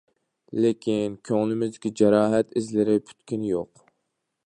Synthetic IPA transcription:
lekʲʰinkʲʰøŋlɪmɪzd̪ɪkʲid͡ʒɛɾɑːɦɛt̪ɪzlɪɾɪpʰy̥t̪kʲynjoq

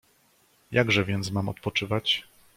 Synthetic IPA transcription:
jʔaɡʐɛvʲjɛnt̪smamɔ̰t̪̚pɔt͡ʂɘvat͡ɕ

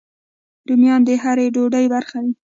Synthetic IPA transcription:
d̪umjɑnd̪əɦaɾeɖoɖajbaɾxawi

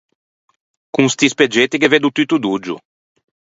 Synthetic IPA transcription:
kũŋst̪isped͡ʒet̪ikeved̪ut̪yt̪ud̪ud͡ʒṵ

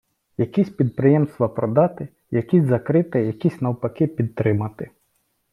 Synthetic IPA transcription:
jɐkʲisʲpʲid̪̚pɾɪjɛmst̪ʋɐpɾɔd̪ɑt̪ɪ | jɐkʲizʲzɐkɾɪt̪ɛjɐkʲisʲnɐwpɐkɪpʲid̪̚t̪ɾɪmɐt̪ɪ

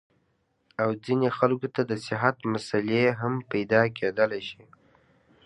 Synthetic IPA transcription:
awd͡zinexalkot̪ad̪əsɪɦat̪masaleɦampajd̪ɑkʰed̪əlajʃi

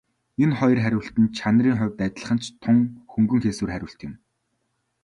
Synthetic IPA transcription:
enχɔj̆rχæɾʲʊ̆ːɬt̪ɘ̆nt͡ɕʰanriːŋχʊːwʲt̪æt̪ʲɪ̆ɮə̥̆χə̆nt͡ɕt̪ʰʊŋxɵŋɡɵ̆ŋxeːswɘ̆ːrχæɾʲʊ̆ːɬt̪jɪ̆m

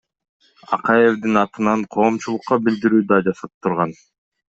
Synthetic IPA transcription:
ɑ̰qɑje̞vd̪inɑt̪ɯnɑɴqʰo̞ːmt͡ʃulˠʊqːɑbild̪iɾyːd̪ɑd͡ʒɑsɑp̚t̪ʰuɾʁɑn

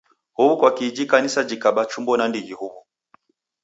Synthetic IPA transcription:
huβukwakid͡ʒikanisad͡ʒikaɓat͡ʃumbɔnandiɣihuβu

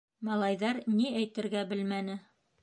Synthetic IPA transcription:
mɑlˠɑjðɑɾniæjt̪ɘ̆ɾɡæbɘlmænɘ

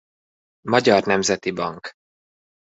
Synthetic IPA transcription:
mɒɟɒrnɛmzɛt̪ibɒŋk

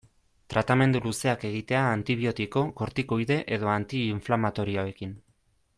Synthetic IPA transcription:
t̪ɾʔat̪ame̞nd̪uluse̞ake̞ɣ̞it̪e̞aːnt̪iβ̞io̞t̪iko̞ko̞ɾt̪ikojðe̞ʔe̞ð̞o̞ant̪iːɱflamat̪o̞ɾioae̞kin

